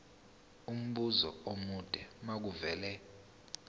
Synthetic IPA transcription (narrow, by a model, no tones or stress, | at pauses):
um̩ɓuzɔ̰omud̥ʼʱɛmak̬uvɛːlɛ